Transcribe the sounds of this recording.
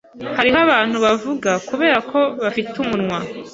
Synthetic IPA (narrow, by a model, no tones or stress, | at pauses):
haɾiɦaβaːn̥huβavuɡakuβe̞ːɾakʰo̞βafitʰumunŋwa